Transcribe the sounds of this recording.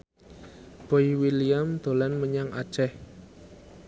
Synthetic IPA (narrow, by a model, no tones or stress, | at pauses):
b̥oiwiliamd̪̥o̤lanməɲaŋa̰d̥ʒ̥ɛh